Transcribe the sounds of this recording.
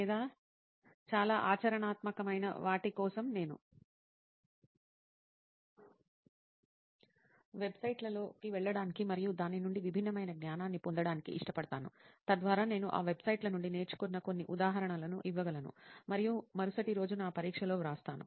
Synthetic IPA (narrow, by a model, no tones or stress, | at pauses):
lɛːd̪aː | t͡ʃaːlaːʔaːt͡ʃɐɾɐɳaːt̪mɐkɐmɐjnɐ̰ʋaːʈikɔːsɐmne̞ːnṵ | ʋe̞bsɐjʈlɐlo̞ːkiʋɛɭːɐɽaːnikimɐɾijud̪aːninuɳɖiʋibʱinːɐmɐjnɐɡnjaːnaːnːipond̪ɐɽaːnikḭʔiʂʈɐpɐɽɐt̪aːnṵt̪ɐd̪ʋaːɾaːne̞ːnuʔa̰ːʋe̞bsɐjʈlɐnuɳɖineːɾt͡ʃu̥kunːɐko̞nːiʔud̪aːɦɐɾɐɳɐlɐnuʔiʋːɐɡɐlɐnṵmɐɾijumɐɾusɐʈiɾo̞ːd͡ʒunaːpɐɾiːkʂɐlo̞ːɾaːst̪aːnṵ